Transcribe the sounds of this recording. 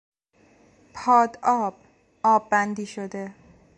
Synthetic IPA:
pʰɒːd̪ɒːb̥ | ɒːbːænd̪iːʃod̪e̞

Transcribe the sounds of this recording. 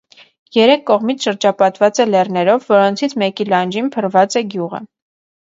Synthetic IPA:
jɛɾɛkʰːɔʁmit͡sʰʃəɾd͡ʒɑpɑt̪vɑt͡sɛlɛrnɛɾɔvːɔɾɔnt͡sʰit͡sʰmɛkilɑnd͡ʒinpʰəɾvɑt͡sɛɡjuʁə̰

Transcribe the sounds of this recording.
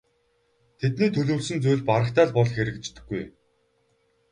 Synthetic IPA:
t̪ʰet̪niːt̪ʰɵɮoːɮsɵ̆nt͡sujɮʲpaɾə̆χt̪aːɮpɔɮxeɾɘ̆k̚t͡ɕt̪ɘ̆ɡːuj

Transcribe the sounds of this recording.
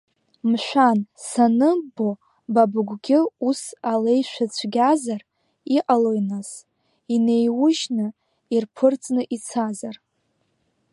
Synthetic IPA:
mʃʷᶣansanɨbo | babɡʷɡʲɪusale̞jʃʷat͡ɕʷʰɡʲazar | iqʼalojnas | ine̞jwʊʒnɨ | irpʰɨrt͡sʼnɨʔit͡sʰazar

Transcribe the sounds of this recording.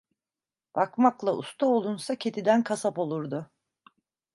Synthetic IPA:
b̥akmaklˠaṵst̪ʰaolˠunsacʰe̞t̪ʰid̪ænkʰasapo̞lˠuɾd̪ʊ

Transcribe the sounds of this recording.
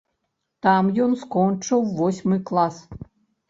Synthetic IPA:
t̪ɑmjonskonʲt͡ʂɨwvosʲmɨklˠɑs

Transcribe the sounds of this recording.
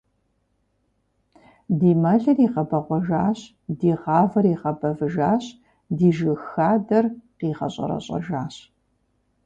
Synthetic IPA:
diːmɐɮɐriːqɐbɐʁʷɔʒaːɕ | diːʁɑːvɐriːqɐbɐvɨʒaːɕ | diːʒɨxaːdɐrqiːʁɐ̰ɕʼɐ̰ɾɐ̰ɕʼɐ̰ʒaːɕ

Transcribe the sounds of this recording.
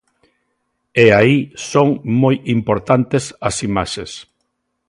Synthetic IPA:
eaisoŋmojimpoɾt̪ant̪esɐsimaʃes

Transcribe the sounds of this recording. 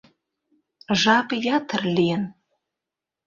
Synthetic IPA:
ʒɑkjɑt̪ʰərlʲijən

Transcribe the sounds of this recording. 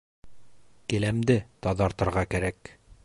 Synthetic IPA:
kɘ̆læmd̪ɘt̪ɑðɑɾt̪ɤ̆ɾʁɑkæɾæk

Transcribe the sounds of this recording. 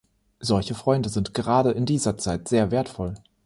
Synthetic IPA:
zɔlçəfʁ̥ɔʏndəzɪntɡ̥əʁaːɾəʔɪndiːzɐt͡saɪtz̥eːɐveːɐtfɔl

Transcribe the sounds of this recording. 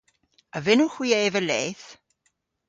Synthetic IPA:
əvɪnuxwiːeːvəleːθ

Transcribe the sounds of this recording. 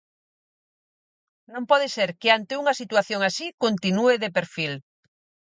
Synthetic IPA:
nõmpɔðeseɾkeant̪euŋasit̪waθjoŋasikont̪inueðepeɾfil

